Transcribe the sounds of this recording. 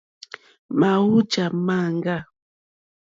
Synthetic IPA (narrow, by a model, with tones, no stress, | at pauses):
ma˨wu˦d͡ʒa˨ma˦˨ŋɡa˦